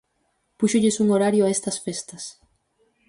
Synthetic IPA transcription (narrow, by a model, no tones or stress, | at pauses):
puʃoʎesuŋoɾaɾjoaest̪ɐsfest̪ɐs